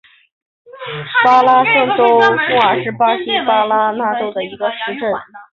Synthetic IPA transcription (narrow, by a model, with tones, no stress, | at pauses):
pa˥la˥ʂɤ˥˧˩ŋʈ͡ʂo˥ʊmu˥ə˞˨˩ʂɻ̩˥˧pa˥ɕi˥pa˥la˥na˥˧ʈ͡ʂo˥˩ʊd̪ə˩i˧˥ɡə˧ʂɻ̩˧˥ʈ͡ʂə˥˩n